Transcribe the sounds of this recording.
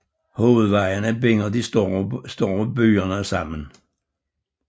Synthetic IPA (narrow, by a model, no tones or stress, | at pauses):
ho̝ːð̞̩ˠʋɑ̈ɪənəb̥eŋɐd̥isɔsd̥ɔ̰ːb̥y̰ːɐnəsɑ̈m̰ən